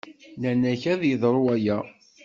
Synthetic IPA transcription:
nænæçæðjəðˤɾˤuæjæ

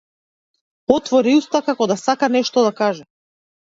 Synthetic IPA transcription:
ɔt̪vɔɾiust̪akakɔd̪asakanɛʃt̪ɔd̪akaʒɛ

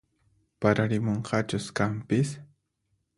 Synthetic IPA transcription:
paɾaɾɪmoɴqʰɑt͡ʃʊskampɪs

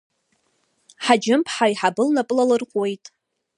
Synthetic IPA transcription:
ħad͡ʒɪmpʰħajħabɨlnapʼlalɨrχʷʼwe̞jtʼ

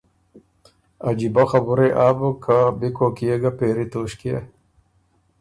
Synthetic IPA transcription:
ad͡ʑibaxabuɾeʔaːbəkabikokijeɡapeːɾit̪oːɕkiḛ

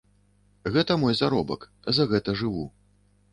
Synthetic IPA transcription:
ɣɛt̪ɐmɔjzaɾɔbɐ̰k | zɐɣɛt̪ɐʐɨvu

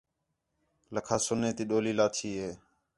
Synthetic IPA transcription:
ləkʰaːsʊnːeːt̪iːɗoːliːlaːt̪ʰiːɦeː

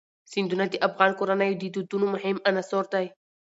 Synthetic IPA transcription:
sind̪unad̪iʔafɣɑːnkoɾanajd̪id̪ut̪unumʊhɪmanasoɾt̪aj

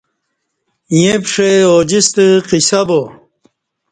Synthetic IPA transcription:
jepʂeod͡ʑist̪əqisɐbo

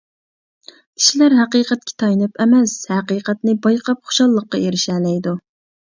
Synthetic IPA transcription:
i̥ʃilæɾɦæqiːqɛt̪̚kʲʰɛ̥t̪ʰɑjnɨpɛmɛshæqiːqæt̪̚nɪbɑjqʰɑpχo̥ʊ̥ʃɑlˠːəqːɑeɾɪʃɛːlɛjd̪u

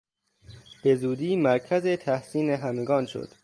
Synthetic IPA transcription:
b̥e̞zuːd̪iːmæɾkʰæzet̪ʰæhsiːneɦæmeɡɒːnʃo̰d̪̥

